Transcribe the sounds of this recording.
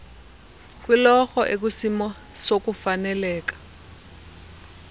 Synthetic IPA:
k̬ʼwilɔxɔʔek̬usimɔ | sokufanɛlɛːkḁ

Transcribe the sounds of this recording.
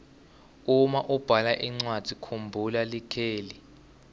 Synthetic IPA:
umaʔub̥ʱalaʔiŋ͡ǀwad̥ʱikʰumbʱulalikʰeːli

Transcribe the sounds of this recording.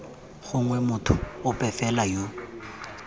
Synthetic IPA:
χʊŋwɛmʊtʰʊʊpʼɛfɛlajo

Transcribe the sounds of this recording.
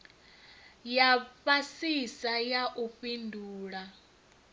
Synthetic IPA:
jaɸasisajaʔuɸindʱuːɺa

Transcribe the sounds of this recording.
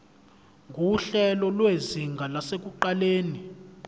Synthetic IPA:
ŋɡʱuɬɛlɔlweziŋɡʱalasek̬uǃaleːni

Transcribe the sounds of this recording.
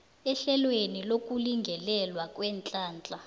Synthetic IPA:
ɛɬɛlwenilokʼuliŋɡʱɛlɛlwakʼwɛːnt͡ɬʼaːnt͡ɬʼa

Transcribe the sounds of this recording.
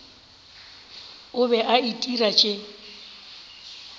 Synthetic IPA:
ʊbɛʔaitʼirat͡ʃʼɪ

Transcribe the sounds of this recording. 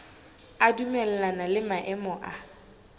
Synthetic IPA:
adumɛlɛlanalɪmaʔɛmɔʔa

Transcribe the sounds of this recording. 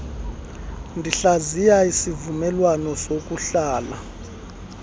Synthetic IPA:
ndʱiɬazijaisivumɛlwanɔsok̬ʼuɬaːla

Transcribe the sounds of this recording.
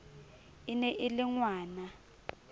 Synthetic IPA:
inɛʔɪlɪŋwaːna

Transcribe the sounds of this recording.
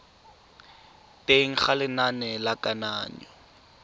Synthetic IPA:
tʼeŋ̩χalɪnanɛlakʼanaːnḭ

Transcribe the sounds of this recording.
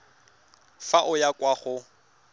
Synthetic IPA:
faʔʊjakʼwaχʊ

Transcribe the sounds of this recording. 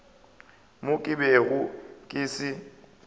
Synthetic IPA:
mʊkʼɪbɛɣʊkʼɪsɪ

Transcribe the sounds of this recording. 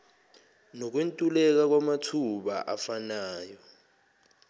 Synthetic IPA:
nok̬wentʼulɛk̬ak̬wamatʰuɓa̰ʔafanaːjɔ

